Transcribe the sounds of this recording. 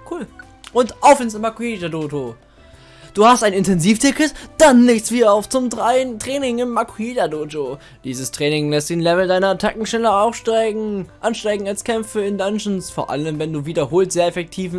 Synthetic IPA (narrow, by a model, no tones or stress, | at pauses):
kʰuːl | ʔʊntʔaʊfɪnsmakuidadoːto | d̥uːhastʔaɪnɪntʰɛnziːftʰɪkətd̥anlɪçt͡sv̥iːdɐaʊft͡sʊmtʁaɪəntʁ̥ɛːnɪŋɪmːakʰuidadoːd͡ʒo | d̥iːzəstʁ̥ɛːnɪŋlɛst̚d̥eːnlɛvl̩daɪnɐtʰakŋ̩ʃnɛlɐaʊfʃtaɪɡŋ̩ʔanʃtaɪɡŋ̩alskʰɛmfəɪndanʃnsfoːɐʔa̰ləmvɛnduːviːdɐɦoːltz̥eːɐɛfɛk̚tʰiːvn̩